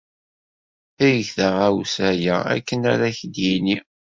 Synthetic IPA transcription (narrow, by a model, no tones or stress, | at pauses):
æjəçθəʁæwsæjææ̰kːənæɾæçd̪jini